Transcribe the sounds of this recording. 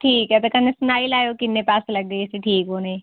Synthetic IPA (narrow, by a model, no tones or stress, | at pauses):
ʈʰiːkɦɛt̪ɐkɐnesʊnaːilaːjokɪnːepaːslɐɡ̚d̪iɪseʈʰiːkoːnẽː